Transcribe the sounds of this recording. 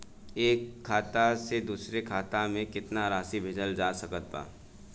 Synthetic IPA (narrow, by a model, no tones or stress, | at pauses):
eːkʰːaːt̪ased̪uːsɾekʰaːt̪amẽkɪt̪naɾaːsibʱɪd͡ʒəld͡ʒaːsɐkət̪ːa̰ː